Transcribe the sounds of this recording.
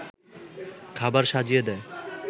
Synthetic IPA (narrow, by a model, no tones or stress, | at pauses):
kʰabaɾʃad͡ʑijed̪ɛe